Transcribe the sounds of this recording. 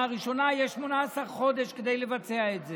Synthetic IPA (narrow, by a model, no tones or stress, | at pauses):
aʁiʃo̞najeʃmo̞naasaʁχo̞d̪e̞ʃked̪ejlevat͡se̞aetze